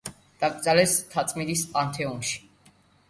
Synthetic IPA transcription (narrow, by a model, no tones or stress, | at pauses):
d̪̥aɡʼzalɛst̪ʰat̪t͡sʼmid̪ispʼant̪ʰɛunʃi̥